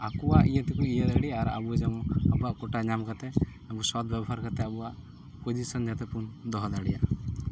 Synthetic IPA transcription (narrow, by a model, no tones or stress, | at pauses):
akuwaʔijət̪ikuijəd̪aɽiaɾa̰buad͡ʒɛmɔ̃abuaʔkɔʈaɲamkat̪ɛ | abusɔt̪bjabɔɦaɾkat̪ɛabuaʔ | pod͡ʒisɔnd͡ʒat̪ɛpund̪ɔɦɔd̪aɽijaʔ